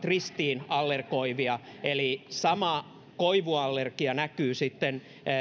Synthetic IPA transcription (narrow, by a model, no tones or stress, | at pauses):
t̪rist̪iːnɑlːerkoiʋiɑelisɑmɑ | koiʋuɑlːerkiɑnækyːsit̪ːen